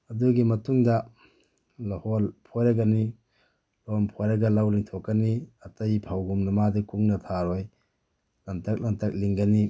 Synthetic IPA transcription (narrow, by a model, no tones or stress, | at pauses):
ɐduɡimɐtuŋdɐ | lɐhɔlpʰɔjɾɐɡɐni | lɔmpʰɔjɾɐɡɐlawliŋtʰɔkːɐniɐtɐjpʰawɡumnɐmadikuŋnɐtʰaɾɔj | lɐntɐk̚lantʰɐk̚liŋɡɐni